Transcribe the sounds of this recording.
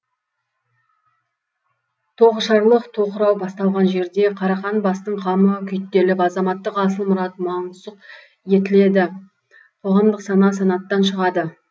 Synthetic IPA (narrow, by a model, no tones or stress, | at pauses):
t̪ʰo̞ʁəʃɑɾlˠəqt̪ʰo̞qəɾɑwbɑst̪ɑlˠʁɑnʒe̞ɾd̪e̞qʰɑɾɑχɑnbɑst̪əɴqʰɑməkʲʰʏjt̪ːe̞lɪpɑzɑmɑt̪ːəqɑsəlˠmʊɾɑt̪mɑɴsəq | je̞t̪ɪle̞d̪ɪ | qʰo̞ʁɑmd̪əqsɑnɑs̬ɑnɑt̪ːɑnʃəʁɑd̪ə